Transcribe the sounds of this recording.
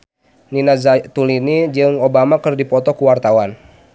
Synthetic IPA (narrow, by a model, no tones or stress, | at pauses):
ninazat̪ulinid͡ʒɨŋobamakɨrdipɔt̪ɔkuwart̪awan